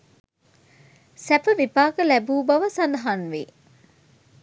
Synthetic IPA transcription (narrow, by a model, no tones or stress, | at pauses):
sæpəʋipaːkəlæbuːbɐʋəsɐnd̪ɐɦanʋi